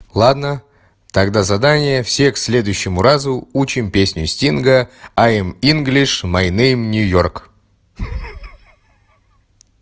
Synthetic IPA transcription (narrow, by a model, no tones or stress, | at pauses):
lˠad̪nə | t̪ɐɡd̪azɐd̪anʲɪjəfsʲe̞ksʲlʲe̞d̪ʊjɕːɪmʊrazʊut͡ɕɪmpʲesʲnʲʊsʲtʲinɡəaminɡlʲɪʂmɐjnejmnʲʊjork